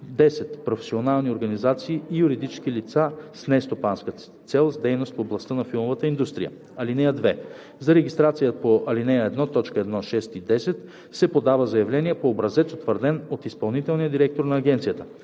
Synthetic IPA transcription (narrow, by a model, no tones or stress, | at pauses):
d̪ɛsɛt̪pɾofɛ̥sionalˠnioɾɡɐnizat̪siːijuɾid̪it͡ʃskilit̪sasnɛst̪opanskət̪ | t̪sɛlˠzd̪ɛjnost̪foblˠɐst̪ənɐfilˠmovət̪əind̪ust̪ɾḭjə̰ | ɐlinɛjəd̪vɛ | zɐɾɛɡʲist̪ɾat̪sijəpoʔɐlinɛjəɛd̪nɔt̪ɔt͡ʃkəɛd̪nɔʃɛst̪id̪ɛsɛt̪ | sɛpod̪avəzɐjɐvlɛniɛpoːbɾɐzɛt̪sot̪vəɾd̪ɛnot̪ispɐlˠnit̪ɛlˠnijəd̪iɾɛk̚t̪oɾnɐːɡ̟ɛnt̪sijət̪ə̥